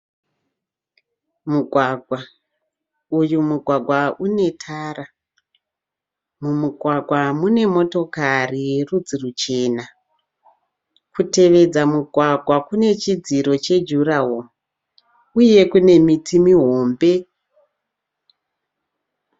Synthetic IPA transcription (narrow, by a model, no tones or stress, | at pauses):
muɡʱwaɡʱwa | ujumuɡʱwaɡʱwaʔune̞tʰaːra | mumuɡʱwaɡʱwamune̞mo̞to̞karirud͡zirut͡ʃe̞ːna | kute̞ʋe̞d͡zamuɡʱwaɡʱwakune̞t͡ʃid͡ziɾo̞t͡ʃe̞d͡ʒuraɦo | uje̞kune̞mitimiɦo̞ːmbe̞